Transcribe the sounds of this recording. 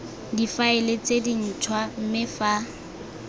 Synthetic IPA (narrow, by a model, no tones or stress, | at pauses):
difaɪlet͡sʼedin̩t͡ʃʰwam̩mɪfa